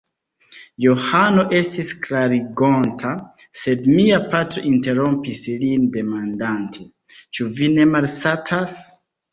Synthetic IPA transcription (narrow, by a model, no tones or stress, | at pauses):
johanoʔestiskʰlaɾiɡɔ̃ntʰasedmiapʰatɾʔĩnteɹɔ̃mpislindemãndãntʰi | t͡ʃuvinemalsatʰas